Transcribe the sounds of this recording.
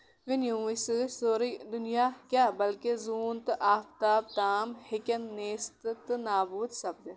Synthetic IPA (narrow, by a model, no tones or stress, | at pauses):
ʋɪnjũːɪssoːɾid̪ʊnijaːkʲaːbɐlkezuːnt̪ɨʔaːft̪aːb̚t̪aːmhekʲɐnːeːst̪ɨt̪ɨnaːbuːd̪sɐb̚d̪